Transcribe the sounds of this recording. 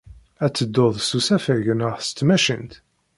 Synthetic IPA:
æt͡sːəd̪ːoðˤsusæfəʝənəʁθst̪ːmæʃənt̪

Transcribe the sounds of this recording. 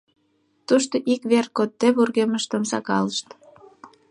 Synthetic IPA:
t̪uʃt̪oʔikβerkot̪ːeβurɣeməʃt̪əmsɑ̰kɑ̰ləʃt̪

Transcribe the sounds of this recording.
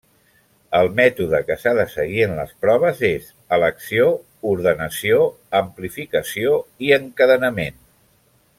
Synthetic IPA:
əlˠmɛt̪uðəkəsaðəsəɣ̞iənlə̰spɾɔβ̞əzez | ələksio | uɾðənəsio | əmplifikəsioiəŋkəðənəmen

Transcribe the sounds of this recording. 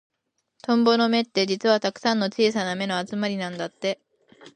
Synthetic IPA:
t̪õ̞mbo̞no̞me̞t̪ːe̞d͡ʑit͡sɨβat̪akɯ̟̥sãnːo̞t͡ɕiːsaname̞no̞at͡sɨmaɾʲinãnd̪at̪ːe̞

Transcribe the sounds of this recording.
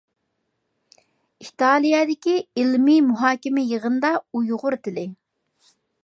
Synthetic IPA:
it̪ʰɑːlˠijɑd̪ɪkʲiɪlmimuɦɑːkʲɪmɪjəʁənd̪ɑujoʁʊɾt̪ɪlɪ

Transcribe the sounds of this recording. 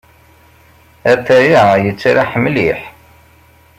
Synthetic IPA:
æθæjajət͡sːaɾaħəmːliħ

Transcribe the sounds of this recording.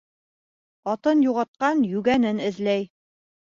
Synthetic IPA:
ɑt̪ɤnjuʁɑt̪̚qɑnjʉɡænɘnɘ̆ðlæj

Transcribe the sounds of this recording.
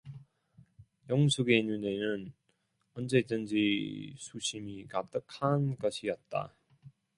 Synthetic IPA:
jʌŋsʰuɡenune̞nɯn | ʌnd͡ʑe̞d͡ʑʌnd͡ʑisʰuɕʰimikat͈ɯkʰanɡʌɕʰijʌt̚t͈a̰

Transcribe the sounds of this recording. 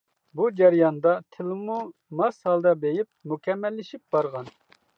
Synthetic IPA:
bud͡ʒɛɾjɑnd̪ɑt̪ʰɪlmumɑshɑlˠd̪ɑbejɪp̚mukʲɛmːɛlːɪʃip̚bɑɾʁɑn

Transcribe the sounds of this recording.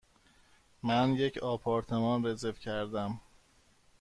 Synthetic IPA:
mænje̞cʰɒːpʰɒːɾt̪ʰe̞mɒːnrezefcʰæɾd̪æm

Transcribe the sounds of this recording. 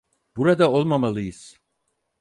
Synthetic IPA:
b̥uɾad̪ao̞lˠmamalˠɯjɯz̥

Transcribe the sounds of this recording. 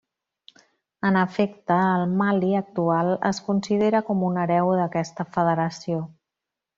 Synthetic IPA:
ənəfekt̪əːlˠmaliək̚t̪ualˠə̰skunsiðeɾəkɔmunəɾɛwðəkɛst̪əfəð̞əɾəsio

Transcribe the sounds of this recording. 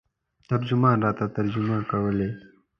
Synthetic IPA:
t̪ɐɾd͡ʒʊmɑːnɾɑːt̪at̪ɐɾd͡ʒʊmakɐwəle

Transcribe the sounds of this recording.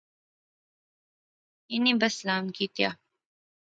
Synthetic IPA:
ɪniːbəslaːmkiːt̪ja̰ː

